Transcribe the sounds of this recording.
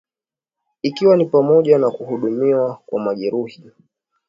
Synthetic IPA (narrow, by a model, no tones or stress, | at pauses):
ikiwanipamɔʄanakuhuɗumiwakwamaʄɛɾuhi